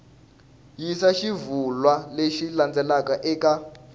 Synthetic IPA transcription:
jisaʃivulwaleʃiland͡zɛlakaʔɛka

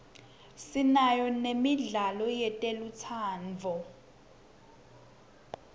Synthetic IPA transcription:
sinajɔnemiɮalɔjɛtʼelut͡sʰaːnd͡zʱɔ

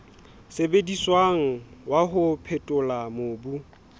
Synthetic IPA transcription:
sebediswaŋ̩waɦʊpʰɛtʼʊlamʊːbu

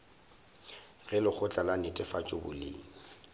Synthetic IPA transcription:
ɣɛlʊk͡xʰʊt͡ɬʼalanɪtʼɪfat͡ʃʼʊbʊ̰lɪ̰ːŋ̩

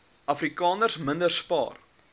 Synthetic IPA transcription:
ʔɐfrikɑːnərsməndərspɑ̰ːr

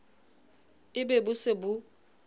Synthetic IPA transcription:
ɪbɛbʊsɪbʊ

